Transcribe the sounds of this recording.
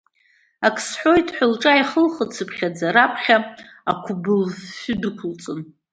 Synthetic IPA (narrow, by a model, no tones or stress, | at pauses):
akʰsħʷojtʰʼħʷᶣʊlʈ͡ʂʼaiχəlχət͡sʰɨpʰχʲad͡zaɾapʰχʲa | akʷʰʊbɨlʃʊdɨkʷʰʊlt͡sʼɨn